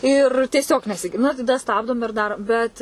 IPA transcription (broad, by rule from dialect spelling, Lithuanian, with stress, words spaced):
ˈɪr tʲiɛˈsʲoːk nʲɛsʲɪˈɡʲɪr ˈnʊ tɐˈdɐ ˈstɑːbdoːm ɪr ˈdɑːroːm ˈbʲɛt